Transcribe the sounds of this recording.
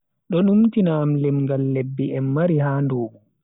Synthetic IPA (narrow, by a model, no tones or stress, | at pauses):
ɗɔɗumtinaːmlɛmŋɡalːɛbːiɛmːaɾiɦaːndoːɓu